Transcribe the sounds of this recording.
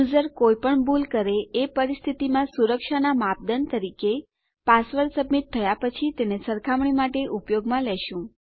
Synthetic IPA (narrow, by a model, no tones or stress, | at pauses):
zəɾkojpəɳbulkəɾeepəɾist̪ʰit̪imãsuɾəkʃanamap̚d̪ənt̪əɾike | pasʋəɾsəbmit̪ʰːəjapət͡ʃʰit̪enesəɾkʰamɳimaʈeʔupjoɡmãleʃũ